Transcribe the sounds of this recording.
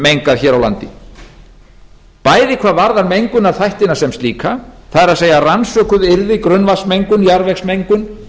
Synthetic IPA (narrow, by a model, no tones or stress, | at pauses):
mejŋkaðçɛːɾawla̰nt̪ɪ | paːjðɪkʰvaːðvaɾðaɾmejŋkʏnaðθajht̪ɪnasɛmst̪liːkaθaðɛɾaðseːjaransœːkʏðɪɾðɪkɾʏnvasmejŋkʏnijaɾvɛxsmejŋkʏn